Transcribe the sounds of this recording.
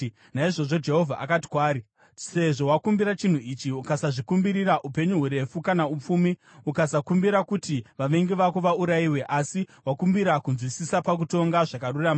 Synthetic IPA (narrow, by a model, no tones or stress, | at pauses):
naiʐo̞ʐo̞d͡ʒe̞ɦo̞vʱaʔakati̥kwaːɾi | se̞ʐo̞wakumbiɾat͡ʃin̤uit͡ʃiukasaʐikumbiɾiraʔupe̞ɲuɦuɾe̞fukanaup͡fuːmi | ukasakumbiɾakutiʋaʋe̞ŋɡeʋakuʋauɾaiwe̞ʔasiwakumbiɾakunzwisisapak̬uto̞ŋɡaʐakaruraːma